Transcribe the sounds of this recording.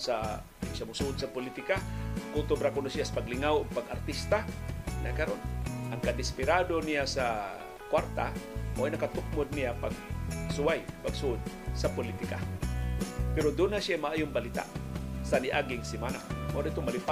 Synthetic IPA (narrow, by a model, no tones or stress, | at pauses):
sa | ʃamʊsuʔʊd̪̚sapʊlit̪ɪkakʊŋt̪ʊbɾakʊnosijasḁpaɡlɪŋawoɡ̚paɡart̪ist̪anʔakaɾonʔaŋkad̪ɪspɪɾad̪onijasa | kwaɾt̪a̰ʔo̰ʔajnakat̪ʊk̚mod̪̚nijapaɡ̚sʊajpaɡsuʔʊd̪̚sapʊlit̪ɪka̰ | pɛɾod̪unasjajmaʔaːjʊŋbalit̪a̰saniʔaɡɪŋsɪmanaʔoɾit̪ʊmalɪpa